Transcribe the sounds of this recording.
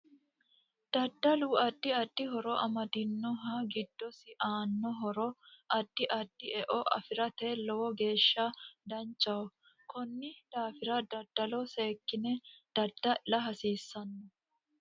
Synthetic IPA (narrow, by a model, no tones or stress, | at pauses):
d̪̥ɐd̪ːɐluːɐd̪̥ːɪɐd̪̥ːɪɦɔɾɔʔɐmɐd̪ɪnːɔɦɐɡɪd̪̥ːɔsɪʔaːnːɔɦɔɾɔʔɐd̪̥ːɪʔɐd̪̥ːɪʔɛʔɔʔɐ̰fɪɾɐt̪eːlɔwɔɡe̞ːʃːɐd̪ɐnt͡ʃʼːɐwɔ | kɔnːɪd̪̥aːfɪɾɐd̪ɐd̪̥ːɐlɔseːkːɪnɛd̪̥ɐd̪̥ːɐlɐɦɐsiːsːɐnːɔ